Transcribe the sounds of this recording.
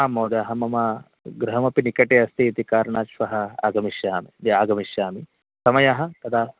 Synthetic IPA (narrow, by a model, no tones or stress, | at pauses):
aːmoːd̪eɐɦɐmɐmɐ | ɡɾɦɐmɐpinikɐʈeɐst̪ʰiːt̪ikaːɾɳaːt͡ʃʋɐɦɐa̰ːɡɐmiʃjaːmid̪iaːɡɐmiʃjaːmi | sɐmɐjaɦɐt̪ɐt̪ʰaː